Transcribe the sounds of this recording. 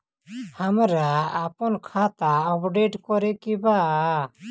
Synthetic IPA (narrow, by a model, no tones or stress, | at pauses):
hamɾaːpɔnkʰat̪aɔpɖeʈkɔɾɛkɛbaʔa